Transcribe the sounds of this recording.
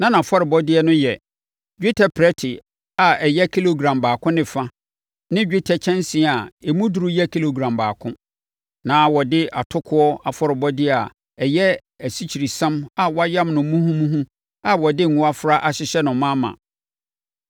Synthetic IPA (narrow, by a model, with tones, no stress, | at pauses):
nã˦nã˨fɔ˦ɾɪ˨bɔ˦dɪ˦ɛ˦nʊ̃˦jɛ˨ | d͡ʑᶣi˦tʰɛ˨pʰɾɛ˦tʰɪ˨ | a˨ɛ˨jɛ˦kʰi˦lo˨ɡɾã˨mbaː˨kʰʊ̃˦nɪ̃˨fã˦ | nɪ̃˦d͡ʑᶣi˦tʰɛ˨t͡ɕʰɛ̃˦nsɪ̃˨˦˨a˨e˨mũ˦du˨ɾʊ˦jɛ˦kʰi˦lo˨ɡɾã˨mbaː˨kʰʊ̃˦ | nãː˨˦wɔ˨dɪ˦a˨tʰʊ˦kʰʊ˦ɔ˦a˨fɔ˦ɾɪ˨bɔ˦dɪ˦˨a˨ | ɛ˨jɛ˦ | æ˨si˦t͡ɕʰi˨ɾi˨sã˦ma˨wɔ˦a˦jã˦mnʊ̃˨˦mũ˦hũ˦mũ˦ɦũ˦ | a˨wɔ˨dɪ˦ŋ̩˨ũ˦a˦fɾa˦ʔa˨ɕɪ˦ɕɛ˦nʊ̃˨mã˦mã̰˨